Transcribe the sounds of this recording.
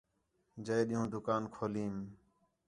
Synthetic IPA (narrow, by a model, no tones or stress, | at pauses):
d͡ʒəeːɗɪɦũːd̪ʊkaːnkʰoːliːm